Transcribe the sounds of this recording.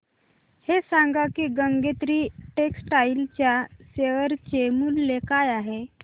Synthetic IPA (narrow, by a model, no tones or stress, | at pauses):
hesaŋɡakiːɡəŋɡet̪ɾiːʈeksʈailt͡ɕjaseʋəɾt͡ɕemuːlːekajaɦe